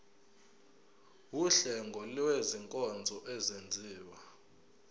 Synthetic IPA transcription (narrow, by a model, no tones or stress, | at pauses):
wuɬɛŋɡʱɔlweziŋkʼɔnd͡zʱɔʔɛzend͡zʱiːwa